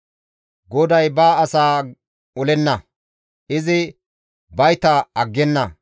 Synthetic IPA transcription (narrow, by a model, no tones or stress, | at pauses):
ɡɔd̪ɐjbaːɐsaː | ɔlɛnːɐ | ʔɪzɪ | bɐjt̪ɐɐɡːɛnːɐ